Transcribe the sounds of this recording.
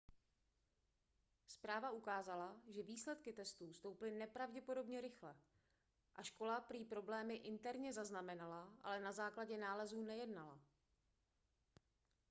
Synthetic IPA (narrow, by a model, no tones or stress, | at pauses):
spɾaːvaukaːzalaʒɛviːslɛt̪kɪt̪ɛst̪uːst̪o̞wplɪnɛpɾavɟɛpo̞do̞bɲɛɾɪxlɛ | ʔaʃko̞lapɾiːpɾo̞blɛːmɪʔɪnt̪ɛɾɲɛzaznamɛnalaʔa̰lɛnazaːklaɟɛnaːlɛzuːnɛjɛdnala̰